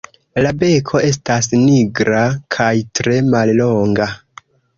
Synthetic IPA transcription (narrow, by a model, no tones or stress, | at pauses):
labe̞kʰo̞e̞s̬tasniɡɾakʰajtɾe̞malloŋɡa